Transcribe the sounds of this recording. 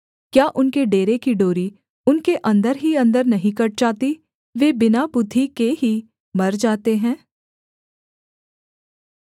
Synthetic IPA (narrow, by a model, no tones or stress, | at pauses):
kjaːʔʊnkeɖeːɾekiɖoːɾi | ʊnkeʔɐ̃nd̪əɾɦiɐ̃nd̪əɾnɐɦĩkɐʈ̚d͡ʒaːt̪i | ʋeːbɪnabʊd̪ʱːikeɦi | mɐɾd͡ʒaːt̪eɦɛ̃ː